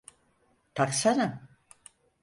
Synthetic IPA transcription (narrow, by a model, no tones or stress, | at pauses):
t̪ʰaksaɾam